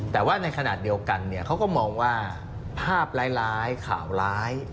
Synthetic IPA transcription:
t̪ɛː˨˩waː˥˩na˧jkʰa˧naː˨˩t̪̚di˧əwka˧nːi˥˩ɐkʰa˦˥wkɔː˥˩mɔː˧ŋwaː˥˩ | pʰaː˥˩p̚laː˦˥jlaː˦˥jkʰa̰ː˩˦wlaː˦˥j

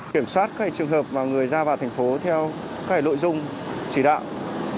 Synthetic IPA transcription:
ki˧˩əmswaː˦˥t̚kaː˦˥ha˧˩t͡ɕɨ˨˩əŋɦəː˨˩p̚maː˨˩ŋɨ˨˩əjzaː˧vaː˨˩t̪ʰɛ˨˩jŋ̟fo˨˦t̪ʰɛ˧w | kaː˦˥k̚aː˧˩jlo̰˧˨jzʊ˧ŋ͡m | t͡ɕi˧˩ɗa̰ː˧˨w

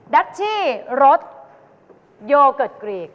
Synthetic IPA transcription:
da˦˥t̪̚t͡ɕ̪ʰiː˥˩ɾo˦˥t̪̚ | joː˧kɤ˨˩t̪̚kɾiː˨˩k̚

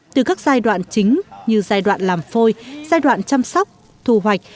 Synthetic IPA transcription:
t̪ɨ˨˩kaː˦˥k̚zaː˧jɗwa̰ː˧˨nt͡ɕï˨˦ŋ̟ɲɨ˧zaː˧jɗwa̰ː˧˨nlaː˨˩mfo˧jzaː˧jɗwa̰ː˧˨nt͡ɕa˧msɔ˦˥wk͡p̚ | t̪ʰu˧˩ɦwa˨˩jk̟̚

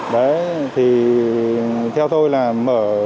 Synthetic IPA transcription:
ɗə˨˦jt̪ʰi˨˩ | t̪ʰɛ˧wt̪o˧jlaː˨˩məː˧˩

